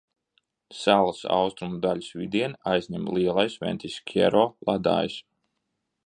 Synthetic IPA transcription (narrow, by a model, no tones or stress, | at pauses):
salˠasa̰wst̪ɾumud̪alʲisvid̪iɛnajzʲɲʲɛmlˠiɛlˠajsvɛ̰nt̪ʲiskʰʲɛ̰ɾɔlˠad̪a̰ːjis